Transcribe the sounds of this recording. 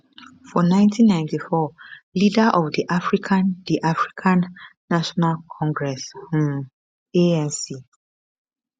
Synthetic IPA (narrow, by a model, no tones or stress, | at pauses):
fɔnãɪ̃ntʰĩnːãɪ̃ntifɔlidaʔɔfdiʔafɹikʰãnd̥iʔafɹikʰãnː | aʃɔnalkʰɔ̃ŋɡɹɛshũm | eɛ̃nsi